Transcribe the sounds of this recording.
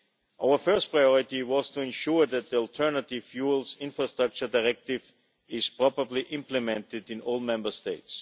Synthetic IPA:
ʔaʊə˞fɜ˞st̚pʰɹaɪjɔɹɪtiwɔz̥tʰuɛ̃nʃuɹðæt̪̚ðiəlˠtʰɜ˞nətɪv̥fjulsɪ̃nfɹastɹak̚t͡ʃə˞daɪɹɛk̚tɪv | ɪz̥pʰɹɔbəbliʔɪ̃mpləmɛ̃ntɪdɪ̃nɔlˠmɛ̃mbə˞steɪts

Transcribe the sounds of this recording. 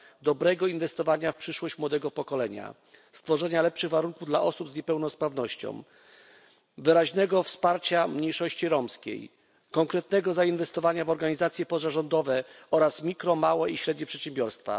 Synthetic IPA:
d̪ɔbɾɛɡɔinvɛst̪ɔvaɲafpʂɘʂwɔɕt͡ɕmwɔd̪ɛɡɔpɔkɔlɛɲa̰ | st̪fɔʐɛɲalɛpʂɘɣvaɾuŋkuvd̪la̰ʔɔsubzɲɛpɛwnɔspɾavnɔɕt͡ɕɔ̰̃w̃ | vɘɾaʑnɛɡɔfspaɾt͡ɕamɲejʂɔɕt͡ɕiɾɔmskʲḛj | kɔŋkɾɛt̪nɛɡɔzainvɛst̪ɔvaɲavɔɾɡaɲizat̪sʲjɛpɔzaʐɔnd̪ɔvɛɔɾasmʲikɾɔmawɛiɕɾɛd̪̚ɲɛpʂɛt̪ɕɛmbʲjɔɾst̪fa̰

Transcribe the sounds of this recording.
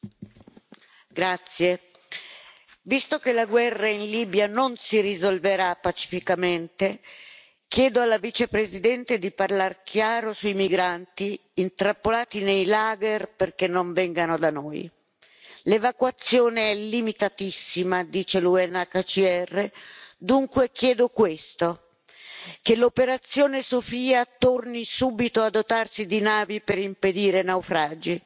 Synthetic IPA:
ɡɾat̪sːje | vist̪okelaɡwɛrːainliːbjanonsirizolveɾapːat͡ʃi̥fikament̪e | k̟jɛːd̪oalːavit͡ʃepɾezid̪ɛnt̪ed̪iparlarkjaːɾosujmiɡɾant̪iːnt̪ɾapːolaːt̪inejlaːɡerperkenːoɱvɛŋɡanod̪anoːj | levakwat̪sːjoːneɛlːimit̪at̪isːimad̪iːt͡ʃeluɛnːakat͡ʃiɛrːed̪uŋkwek̟jɛːd̪okwest̪o | kelopeɾat̪sːjoːnesofiːat̪ornisuːbit̪oad̪ot̪arsid̪inaːvipeɾimped̪iːɾenawfɾaːd͡ʒi

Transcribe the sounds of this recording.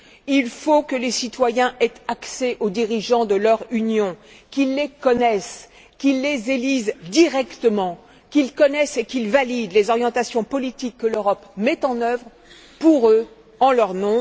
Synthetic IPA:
ilfokəlesit̪wajɛ̃ʔɛt̪akseʔod̪iʁiʒɑ̃d̪əlœʁynjɔ̃kʲilːekɔnɛs | kʲilːezelizd̪iʁɛkt̪əmɑ̃ | kʲilkɔnɛsekʲilvalid̪lezɔʁjɑ̃t̪asjɔ̃pɔlit̪ikːəløʁɔpmɛt̪ɑ̃nœvʁ | puʁø | ɑ̃lœʁnɔ̃

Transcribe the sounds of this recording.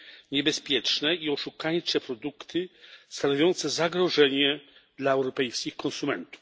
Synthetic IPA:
ɲɛbɛspʲjɛt͡ʂnɛiɔʂukajt͡ʂɛpɾɔd̪ukt̪ʰɘst̪anɔvʲjɔnt̪sɛzaɡɾɔʐɛɲɛd̪laɛwɾɔpɛjskʲixkɔ̃nsumɛnt̪u̥f

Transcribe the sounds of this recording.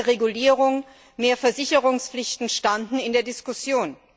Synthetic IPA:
ʁeɡuliːʁ̞ʊŋ | meːɐfɛɐzɪçəʁʊŋsflɪçtn̩ʃtandn̩ɪndeːɐdɪskʊsjoːn

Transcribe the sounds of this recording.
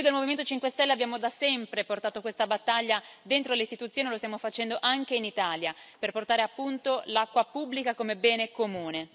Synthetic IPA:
id̪elmoviment̪ot͡ʃiŋkwest̪ɛlːeabːjaːmod̪asɛmpɾeport̪aːt̪okwest̪abat̪ːaʎːad̪ent̪ɾoleist̪it̪ut̪sːjoːnilost̪jamofat͡ʃɛnd̪oʔaŋk̟einit̪aːljaperport̪aːɾeapːunt̪olakːwapubːlikakomebɛːnekomuːne

